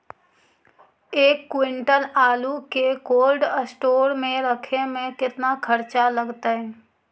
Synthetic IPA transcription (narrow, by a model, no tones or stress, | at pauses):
eːkːwɪ̃ɳʈəlaːlukekoːlɖəsʈoːɾmẽɾəkʰemẽkɪt̪nakʰəɾt͡ʃaləɡt̪aɦɛː